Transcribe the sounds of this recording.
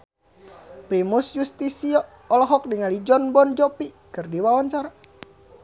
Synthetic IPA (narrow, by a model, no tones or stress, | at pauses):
pɾimusjust̪isiɔ | ɔlɔɦɔk̚diŋalid͡ʒɔnbɔnd͡ʒɔpi | kɨrdiwawɔnt͡ʃaɾa